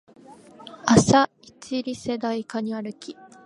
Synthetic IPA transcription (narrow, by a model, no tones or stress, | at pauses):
asa | it͡ɕiɾʲise̞d̪aikaɲ̟iaɾɯ̟kʲi